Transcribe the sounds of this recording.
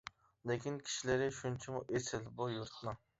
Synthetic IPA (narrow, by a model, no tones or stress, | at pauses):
lekʲinkʲʰi̥ʃilɪɾɪʃunt͡ʃʰɛmuʔesɪlbujuɾt̪̚nɨŋ